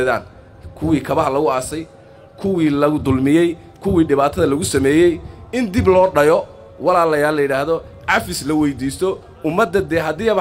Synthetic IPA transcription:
ða̰ːn | kʰʊwiːkʰɐβɐɦɐlɐɣʊaːsɛj | kʰʊwiːlɐɣʊd̪ʊlmɪjɛj | kʰʊwiːɖɪβaːt̪ʰɐðɐlɐɣʊsɐmɛːjɛjɪnd̪ɪblɔːɖɐjɔ | wɑlaːlɐjaːlːɐjɪɽaːhðɔ | ʕɑfɪslɐwɛjd̪iːst̪ʰɔ | ʊmːɐd̪ːɐd̪ɛːɦɐd̪iːjɐβ

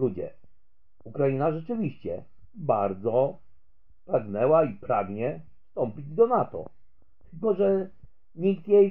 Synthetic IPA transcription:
lud͡ʑɛ̰ | ukɾajinaʐɛt͡ʂɘvʲiɕt͡ɕɛ | baɾd̪zɔ | pɾaɡnɛwaipɾaɡɲɛfst̪ɔmpʲid͡ʑd̪ɔnat̪ɔ̰ | t̪ɘlkɔʐɛ | ɲik̚t̪jej

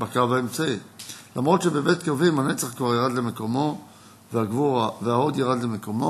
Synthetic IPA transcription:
bakavaemt͡sailamʁo̞t̪ʃebebetkavimhanet͡saχkvaʁjaʁadlemeko̞mo̞ | veaɡvuʁaveaod̪jaʁadlemeko̞mo

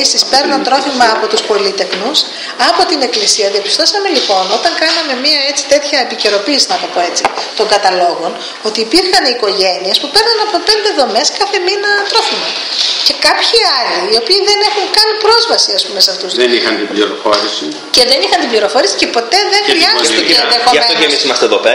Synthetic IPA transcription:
isispe̞ɾnɐnt̪ɾo̞fimɐːpo̞t̪uspo̞lit̪e̞xnus | ɐpo̞t̪ine̞klisiɐðiɐpi̥st̪o̞sɐme̞lipo̞no̞t̪ɐŋkɐnɐme̞miɐe̞t͡si̥t̪e̞t̪çɐepice̞ɾo̞piːsinɐp̪ɐp̪o̞e̞t͡sit̪o̞ŋɡɐt̪ɐlo̞ɣo̞n | o̞t̪iːpiɾxɐniiːko̞ʝe̞niespupe̞ɾnɐnɐpo̞pe̞nd̪e̞ðo̞me̞skɐθe̞minɐt̪ɾo̞fimɐce̞kɐpçiɐliːo̞piːðene̞xuŋkɐnipɾo̞zvɐsiɐspumeseɐft̪uszenixɐnt̪ibliɾo̰fo̞ɾisḭ | ceðe̞nixɐnt̪ibliɾo̞fo̞ɾisi̥ce̞po̞t̪e̞ðe̞ŋvɾiɐzunst̪oeeniɐkooemisimɐst̪eðope

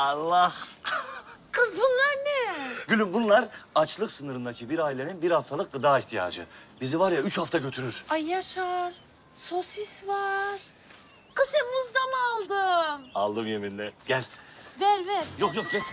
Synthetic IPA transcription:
alˠːah | kʰɯzbunlˠaɾnɛɟylʲymbunlˠaɾat͡ʃlˠɯksɯnɯɾɯnd̪acʰibiɾaːilʲe̞ninbiɾhaft̪ʰalˠɯk̚d̪ad̪aːiht̪ʰija̰ːd͡ʒɯ̰bizivaɾjayt͡ʃhaft̪ʰaɟø̞t̪ʰyɾyɾ̥ajaʃaɾ̥ | sosisvaɾ̥ | kʰɯsimuzd̪amalˠd̪ɯma̰lˠd̪ɯmjeminlʲɛɟ̥ælʲvælʲvælʲjokjok̚ɟɛt͡ʃ

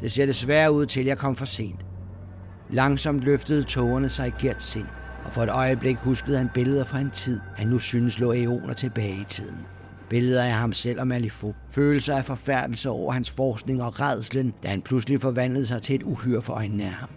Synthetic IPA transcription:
d̥e̝se̝ɐ̥e̝sʋæːɐuð̞̰ˠt͡sʰe̝ljɑ̈ɪkʰɒ̽mfɒ̽se̝̰ːnd̥ | lɑ̈ŋsɒ̽m̰d̥løfd̥əð̞̩ˠt͡sʰɔːɐnəsɑ̈ɪɡ̥iɐ̰d̥se̝n̰ | ɒ̽fɒ̽e̝d̥ɒ̽ɪəb̥le̝ɡ̥husɡ̥əð̩ˠhænb̥e̝ləð̞ˠɐfɒ̽hent͡sʰið̰ˠhænːusynəslɔ̰̽ːeo̝̰ːnɐt͡sʰe̝b̥ɛːɪit͡sʰið̰ˠn̩ | b̥e̝ləð̞ˠɐæhɑ̈msel̰ɒ̽mælifo̝føːlsɐæfɒ̽fæɐ̰d̥l̩səɒʊ̰ɐhænsfɒːsɡ̥ne̝ŋɒ̽ʁɑð̰ˠslənd̥æhænpʰluslifɒ̽ʋæn̰ləð̩ˠsɑ̈ɪt͡sʰe̝le̝d̥uhyɐ̰fɒʔɒnn̩æhɑ̈m

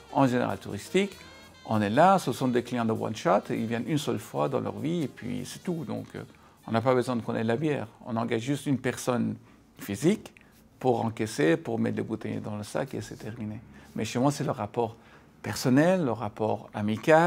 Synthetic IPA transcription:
ɑ̃ʒenḛʁa̰lt̪ṵʁist̪ik | ɔ̃nɛlasəsɔ̃d̪eklijɑ̃d̪əwã̰nʃɔt̪eilvjɛnynsœlfwad̪ɑ̃lœ̰ʁviepɥḭsɛ̥t̪ud̪ɔ̰̃kʰ | ɔ̃nap̬abəzwɛ̃d̪əkɔ̃nɛlabjɛ̰ːʁɔ̰̃nɑ̃ɡaʒːyst̪ynpɛʁsɔn | fizik | puʁɑ̃kɛsepuʁmɛt̪ləbut̪ɛ̰j̰d̪ɑ̃ləsa̰kḛset̪ʰɛʁminemʔɛʃʃemwasɛləʁːapɔʁ | pɛʁsɔnɛlːəʁːapɔ̰ːʁamika

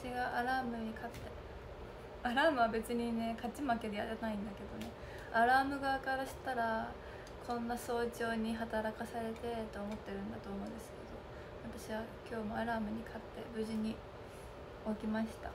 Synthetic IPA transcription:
aɕiɡaʔaɾaːmɯ̟ɲ̟ikʰat̪ːe̞ | aɾaːmɯ̟βabe̞t͡sɨɲ̟ine̞kat͡ɕimake̞d̪eja̰ɾenaĩnd̪ake̞d̪o̞ne̞ | aɾaːmɯ̟ɡakaɾaɕi̥t̪aɾa | kʰõ̞nːaso̞ːt͡ɕo̞ːɲ̟iɦat̪aɾakasaɾe̞t̪e̞t̪oːmo̞t̪ːe̞ɾɯ̟̃nd̪at̪o̞ːmoːnd̪esɨ̥ke̞d̪̥o̞ | βat̪aɕiβakʲo̞ːmo̞aɾaːmɯ̟ɲ̟ikʰat̪ːe̞bɯ̟ʑiɲ̟i | o̞kʲimaɕi̥t̪a̰

